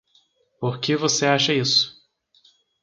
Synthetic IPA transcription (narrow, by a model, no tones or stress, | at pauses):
poɾkevoseaʃɐisʊ̥